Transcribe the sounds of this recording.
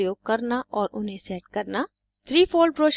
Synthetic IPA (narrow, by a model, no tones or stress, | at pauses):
joːɡ̚kɐɾnaʔɔːɾʔʊnɦẽsɛːʈ̚kɐɾna | t̪ʰɾiːpʰoːlɖ̚pɾoːʃ